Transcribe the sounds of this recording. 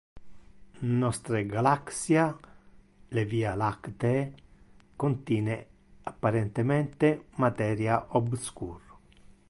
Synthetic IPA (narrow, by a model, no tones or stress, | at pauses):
nɔst̪ɾeɡalaksja | leviːalakt̪e | kont̪jiːne | apːaɾent̪emɛnt̪emat̪ɛːɾjaʔobskṵːɾ